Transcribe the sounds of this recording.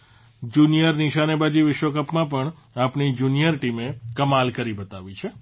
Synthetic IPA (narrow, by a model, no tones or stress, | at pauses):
d͡ʒunijəɾniʃanebad͡ʒiʋɪʃʋəkəpmãp̬əɳ | apnid͡ʒunijəɾʈimekəmalkəɾibət̪aʋit͡ʃʰe